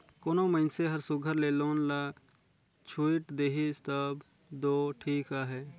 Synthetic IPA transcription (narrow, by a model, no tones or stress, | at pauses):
koːnoməɪnseɦəɾsʊɡʱəɾleːloːnla | t͡ʃʰuiʈd̪eːɦist̪əb | d̪oːʈʰiːkaɦɛː